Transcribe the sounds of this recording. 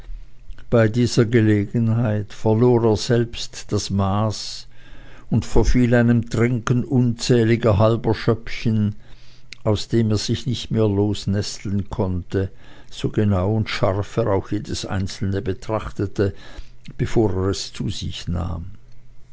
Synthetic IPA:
b̥aɪdiːzɐɡəleːɡənhaɪtfɛɐloːʁeːɐz̥ɛlpstd̥asmaːs | ʊntfɛɐfiːlaɪnəmtʁ̥ɪŋkənʔʊnt͡sɛːlɪɡɐɦalbɐʃœpçən | aʊsd̥eːmeːɐz̥ɪçnɪçtmeːɐloːsnɛstl̩ən̩kʰɔntə | z̥oːɡenaʊʊntʃaʁfɛʁaʊxjeːdəsʔa̰ɪnt͡sl̩nəbətʁ̥aχtətəb̥efoːʁeːʁɛst͡suːzɪ̰çna̰ːm

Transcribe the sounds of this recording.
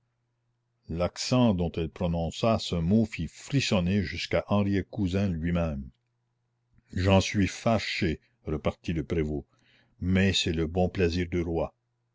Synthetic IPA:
laksɑ̃d̪ɔ̃t̪ɛlpɾɔnɔ̃sasəmofifʁisɔneʒyskaʔɑ̃ʁjekuzɛ̃lɥimɛ̃m | ʒɑ̃sɥifaʃe | ʁəpaʁt̪iləpʁevo | mɛsɛləbɔ̃plɛziːʁd̪yʁwa

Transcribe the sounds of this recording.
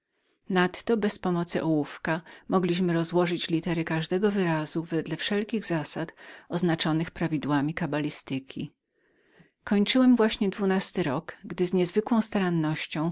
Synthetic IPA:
nat̪ːɔbɛspɔmɔt̪sɘʔɔwufkamɔɡlʲiɕmɘɾɔzwɔʐɘt͡ɕlʲit̪ɛɾɘkaʐd̪ɛɡɔvɘɾazuvɛd̪lɛfʂɛlkʲiɣzasat̪ɔznat͡ʂɔnɘxpɾavʲid̪wamʲikabalʲist̪ɘkʲʰḭ | kɔɲt͡ʂɘwɛmvwaɕɲɛd̪vunast̪ɘɾɔkɡd̪ɘzɲɛzvɘkwɔ̃w̃st̪aɾanːɔɕt͡ɕɔ̃w̃

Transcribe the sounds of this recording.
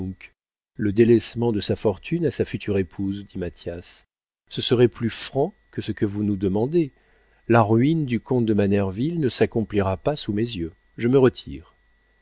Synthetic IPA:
k | ləd̪elɛsmɑ̃d̪əsafɔʁt̪ʰynasafyt̪ʰyʁepʰuzd̪imat̪jasː | əsəʁɛplyfχɑ̃ | kəsəkəvunud̪əmɑ̃d̪e | laʁɥind̪ykɔ̃t̪̚d̪əmanɛʁvilnəsakɔ̃pliʁapasumezjø | ʒəməʁət̪ʰḭːʁ

